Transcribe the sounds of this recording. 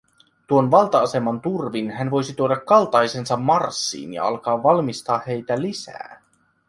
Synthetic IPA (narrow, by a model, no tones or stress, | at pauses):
t̪uonʋɑlˠt̪ɑɑsemɑnt̪urʋinɦænʋo̞jsit̪uoɾɑkːɑlt̪ɑjse̞nsɑmːɑrsːḭːnjɑ̰ɑ̰lkɑːʋːɑlmist̪ɑːhe̞jt̪ælisæ̰ː